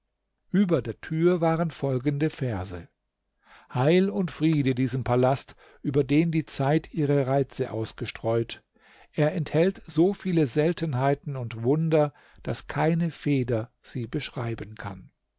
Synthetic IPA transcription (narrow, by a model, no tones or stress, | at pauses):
ʔyːbɐdeːɐtʰyːɐvaːʁənfɔlɡn̩dəfɛɐzə̰ | haɪlʊntfʁ̥iːdədiːzəmpʰalast | ʔyːbɐdeːndiːt͡saɪtʔiːʁəʁaɪt͡səʔa̰ʊsɡ̥əʃtʁ̥ɔʏt | ʔeːɐʔɛnthɛltz̥oːfiːləzɛltənɦaɪtn̩ʊntvʊndɐ | d̥askʰaɪnəfeːdɐ | z̥iːbəʃʁ̥aɪbənkʰa̰n